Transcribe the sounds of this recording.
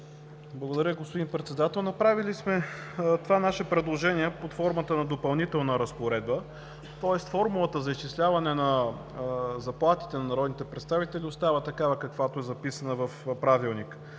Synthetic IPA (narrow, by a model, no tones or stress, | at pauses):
blˠəɡod̪ɐɾjəɡospod̪inpɾɛt̪sɛd̪at̪ɛlˠnɐpɾavilismɛt̪ovanaʃɛpɾɛd̪lˠoʒɛniɛpot̪fɔɾmət̪ənɐd̪opɐlˠnit̪ɛlˠnəɾɐspoɾɛd̪̚bə | t̪ɔɛst̪fɔɾmulˠət̪əzɐist͡ʃislʲavɐnɛnɐ | zɐplˠat̪i̥t̪ɛnɐnɐɾɔd̪nit̪ɛpɾɛt̪st̪avit̪ɛliost̪avət̪ɐkavəkɐkvat̪oɛzɐpisənəvɐfpɾavilˠnik